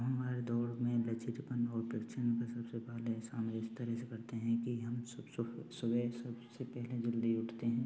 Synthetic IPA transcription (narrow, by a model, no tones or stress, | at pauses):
ɦɐmaːɾed̪ɔːɾmẽlet͡ʃɪt̪pənɔːɾpɪkt͡ʃʰənkasɐbsepɛɦlesaːnʋɪst̪əɾɛːsekɐɾt̪eɦɛ̃kiɦɐmsssʊbəsɐbsepɛɦled͡ʒɪld̪iʊʈʰt̪eɦɛ̃ː